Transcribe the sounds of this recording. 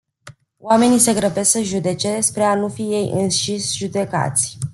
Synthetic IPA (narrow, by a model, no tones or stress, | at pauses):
wame̞nise̞ɡɾəbe̞səʒud̪e̞t͡ʃe̞spɾe̞anufije̞jɨ̰nʃisʲʒud̪e̞ka̰t̪sʲ